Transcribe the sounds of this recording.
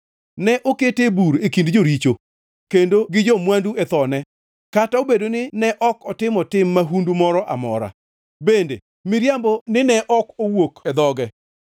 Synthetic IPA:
nɛʔoketebuɾekindd͡ʒoɾit͡ʃo | kendoɡɪd͡ʒɔmwanduet̪ɔnɛ | kataobedonɪnɛʔɔkɔtɪmɔtɪmːaɦundumɔɾɔʔa̰mɔ̰ɾa̰ | bendḛ | mɪɾjambonɪnɛʔɔkowokɛd̪ɔɡɛ

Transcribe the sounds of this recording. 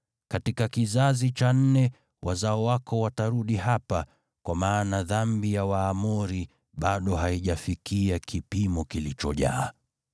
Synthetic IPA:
katikakizazit͡ʃan̩nɛ | wʔazaɔwakɔwataɾuɗiɦapa | kwamaːnaðambijawaːmuɾi | ɓaɗɔɦaiʄafikiakʰipimɔkilit͡ʃɔʄa̰ː

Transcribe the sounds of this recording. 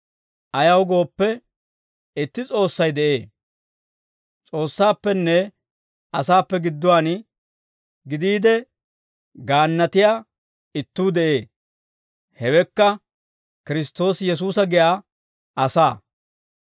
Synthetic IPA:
ʔɐjɐwɡo̞ːpːɛ | ɪt̪ːɪt͡sʼo̞ːsːɐjd̪ɛʔe̞ː | t͡sʼo̞ːsːaːpːɛnːɛ | ɐsaːpːɛɡɪd̪ːʊwaːn | ɡɪd̪iːd̪ɛ | ɡaːnːɐt̪ɪjaː | ɪt̪ːuːd̪ɛʔe̞ː | hɛwɛkːɐ | kɪɾɪst̪ːo̞ːsjɛs̬uːsɐɡɪʔaː | ɐsaː

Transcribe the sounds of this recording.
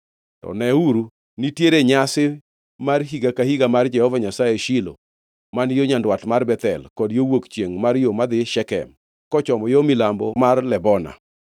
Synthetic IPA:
tɔ̰nɛuɾu | nitjeɾeɲasɪ | marɦiɡakahiɡamard͡ʒɛhɔvaɲasajeʃilo̰ | manjoɲandwatmarbɛt̪ɛ̰lkɔdjowokt͡ʃjeŋmaɾjomad̪ɪʃɛkɛ̰m | kɔt͡ʃɔmɔjomɪlambɔmarlɛbɔna̰

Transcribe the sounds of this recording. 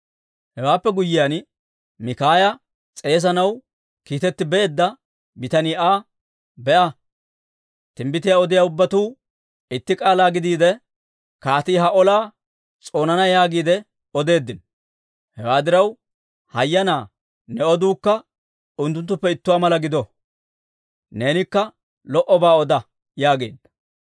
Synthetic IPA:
hɛwaːpːɛɡʊjːɪjan | mɪkaːjɐ | t͡sʼe̞ːs̬ɐnɐw | kiːt̪ɛt̪ːɪbɛeːd̪ːɐ | bɪt̪ɐnɪːaː | bɛʔɐ | t̪ɪmbɪt̪ɪjaːɔd̪ɪjaːʊbːɐt̪uː | ɪt̪ːɪkʼaːlaːɡɪd̪iːd̪ɛ | kaːt̪iːɦɐʔɔlaː | t͡sʼo̞ːnɐnɐjaːɡiːd̪ɛ | ɔd̪e̞ːd̪ːɪn | hɛwaːd̪ɪɾɐw | hɐjːɐnaː | nɛɔd̪uːkːɐ | ʊnt̪ːʊnt̪̬ːʊpːɛɪt̪ːʊwaːmɐlɐɡɪd̪ɔ | ne̞ːnɪkːɐ | lɔʔɔbaːɔd̪ɐ | jaːɡe̞ːd̪ːɐ̥

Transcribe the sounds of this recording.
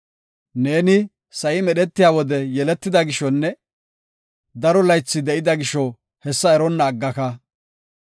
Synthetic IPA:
ne̞ːnɪ | sɐjɪmɛɗɛt̪ːɪjaːwɔd̪ɛjɛlɛt̪ːɪd̪ɐɡɪʃɔnːɛ | d̪ɐɾɔlɐjt͡sːɪd̪ɛʔɪd̪ɐɡɪʃɔ | hɛsːɐɛɾɔnːɐːɡːɐkɐ

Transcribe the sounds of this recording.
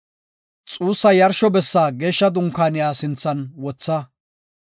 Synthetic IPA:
t͡sʼuːsːɐjɐɾʃɔbɛsːaːɡeːʃːɐd̪ʊŋkːaːnɪjaːsɪnt͡sːɐnwɔt͡sːɐ

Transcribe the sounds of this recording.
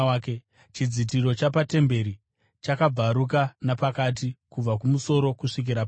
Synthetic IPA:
ke | t͡ʃid͡zitiɾo̞t͡ʃapate̞mbe̞ɾi | t͡ʃakab͡vaɾuk̬anapakat̬ikub͡vak̬umuso̞ɾo̞kuʂik̬iɾap

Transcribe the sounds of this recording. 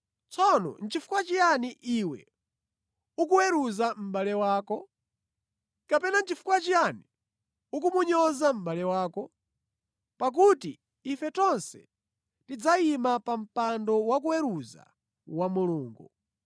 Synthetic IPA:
t͡sɔnɔ̰n̩t͡ʃifu̥kwat͡ʃijaniʔiwɛ̰ | ukuwɛɾuzam̩balɛwaːkɔ | kapɛnant͡ʃifu̥kwat͡ʃijani | ukumuɲɔzam̩balɛwaːkɔ | pak̬uti | ifɛtɔnsɛ̰ | tid͡zaimapam̩pandɔwak̬uwɛɾuza̰ | wamuluːŋɡu

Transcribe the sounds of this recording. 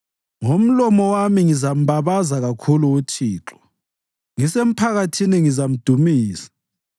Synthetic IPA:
ŋom̩lɔmɔwamiŋizam̩βaβazaɣakʰuluut͡ʃʰiːǁɔ̥ | ŋisem̩pʰaɣatʰiniŋizam̩d̥ʱumiːsḁ

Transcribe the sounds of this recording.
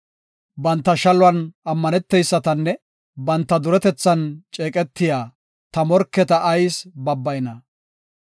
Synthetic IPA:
bɐnt̪ːɐʃɐlʊwɐnɐmːɐnɛt̪ːɛjsːɐt̪ɐnːɛ | bɐnt̪ːɐd̪ʊɾɛt̪ɛt͡sːɐnt͡ʃʼeːkʼɛt̪ːɪjaː | t̪ɐmɔɾkːɛt̪ɐʔːjsbɐbːɐjnɐ

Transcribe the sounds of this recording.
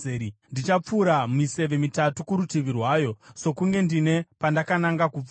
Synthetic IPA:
ndit͡ʃap͡fuɾamise̞ʋe̞mitatukuɾutiʋirwaːjo̞so̞kuŋɡe̞ndine̞pandakanaŋɡakup͡f

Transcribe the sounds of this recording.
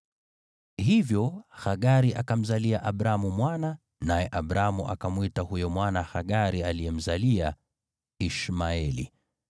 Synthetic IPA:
hivjɔxaɠaɾiʔakam̩zaliaʔaɓɾamumwana | najɛʔaɓɾamuʔa̰kamwitahujɔmwanaxaɠaɾialiɛm̩zalia | iʃmaɛlḭ

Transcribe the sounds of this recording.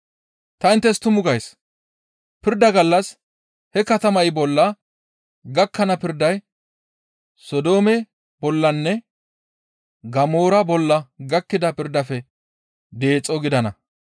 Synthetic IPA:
t̪ɐɪnt̪ːɛst̪ʊmʊɡɐjs | pɪɾd̪ɐɡɐlːɐs | hɛkɐt̪ɐmɐjbɔlːɐ | ɡɐkːɐnɐpɪɾd̪ɐj | sɔd̪o̞ːmɛ | bɔlːɐnːɛ | ɡɐmoːɾɐbɔlːɐɡɐkːɪd̪ɐpɪɾd̪ɐfɛ | d̪e̞ːt͡sʼːɔɡɪd̪ɐnɐ̰

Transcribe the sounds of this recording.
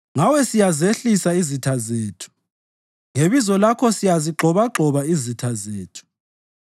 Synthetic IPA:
ŋawɛsijazeɬisaizitʰazeːtʰu̥ | ŋeβizɔlakʰɔsijaziɡ͡ǃʱɔβaɡ͡ǃʱɔβaizitʰazeːtʰu̥

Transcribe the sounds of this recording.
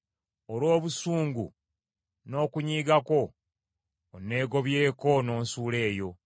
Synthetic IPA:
olwo̞ːβusuːŋɡṵ | no̞ːkuɲiːɡako̞ | onːe̞ːɡo̞βje̞ːko̞no̞ːnsuːle̞ːjo̞

